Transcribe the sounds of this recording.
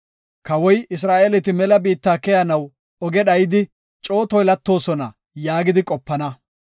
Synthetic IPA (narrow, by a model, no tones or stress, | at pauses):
kɐwɔjɪs̬ɾaːʔelɛt̪ɪmɛlɐbiːt̪ːaːkɛjɐnɐw | ɔɡɛɗɐjɪd̪ɪ | t͡ʃʼo̞ːt̪ɔjlɐt̪ːo̞ːsɔnɐ | jaːɡɪd̪ɪkʼɔpːɐnɐ